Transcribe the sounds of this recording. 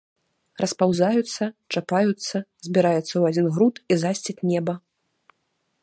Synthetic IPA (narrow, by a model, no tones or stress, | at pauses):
rʔɐspawzajut̪sːɐt͡ʂapajut̪sːɐzʲbʲiɾajɛt̪sːɐwad͡zʲinɣɾut̪izasʲt͡sʲit͡sʲnʲɛbɐ